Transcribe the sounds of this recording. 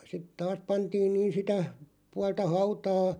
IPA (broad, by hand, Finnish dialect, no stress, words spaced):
sit tɑːs pɑntiːn niːn sitæ puɑltɑ hɑutɑː